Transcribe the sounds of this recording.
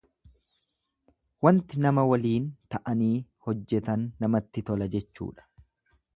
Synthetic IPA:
wɐnt̪ɪnɐmɐwɐliːnt̪ɐʔɐniːhɔd͡ʒːɛt̪ɐnːɐmɐt̪ːɪt̪ɔlɐd͡ʒɛt͡ʃːṵːᶑɐ̥

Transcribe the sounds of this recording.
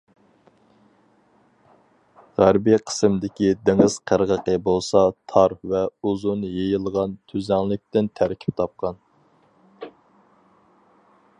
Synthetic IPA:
ʁæɾbijqʰə̥smd̪ɪkʲid̪eŋəz̥qʰəɾʁəqəbolˠsɑt̪ʰɑɾvɛuzunjejilˠʁɑnt̪ʰyzɛŋlˠɪk̚ʲt̪ɪnt̪ʰæɾkʲʰi̥p̚t̪ʰɑp̚qʰɑn

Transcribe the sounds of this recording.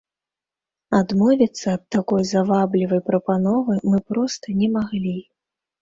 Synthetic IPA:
ad̪mɔvʲit̪sːɐːt̪t̪ːakɔjzavablʲivɐjpɾɐpanɔvɨmɨpɾɔst̪ɐnʲɛmaɣlʲi

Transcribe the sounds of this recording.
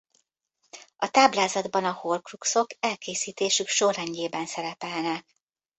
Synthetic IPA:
ɒt̪aːblaːzɒd̪bɒnɒhorkrukso̞kɛlkeːsiːt̪eːʃykʃorɛɲɟeːbɛnsɛɾɛpɛlnɛk

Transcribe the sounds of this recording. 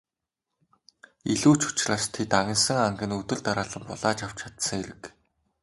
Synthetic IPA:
iɮuːt͡ɕʊ̥t͡ɕɮaːst̪ʰet̪aɣʲɪ̆nsə̆ŋaŋɡʲɘ̆nɵt̪ɵ̆ɮt̪aɾaːɮə̆mpɔɮaːt͡ɕaw̥t͡ɕʰat̪sə̆ŋeɾɘ̆k

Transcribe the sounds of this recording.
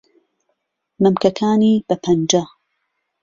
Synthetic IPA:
mɨmkɐkʰaːniːb̥ɐpʰɐnd͡ʒa

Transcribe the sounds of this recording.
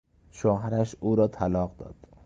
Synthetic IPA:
ʃoːɦæɾæʃuːɾɒːt̪ʰælɒːqd̪ɒ̰ːd̪̥

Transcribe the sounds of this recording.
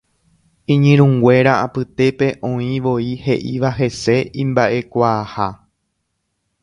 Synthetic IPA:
ĩɲĩɾ̃ũŋɡwʷe̞ɾaapɨt̪e̞pe̞ʔõ̞ĩʋo̞ihe̞ʔiʋaɦe̞se̞ĩmbaʔe̞kʷaːha

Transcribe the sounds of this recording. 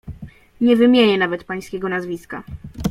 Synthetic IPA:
ɲɛvɘmʲjeɲɛnavɛt̪paj̃skʲɛɡɔnazvʲiska

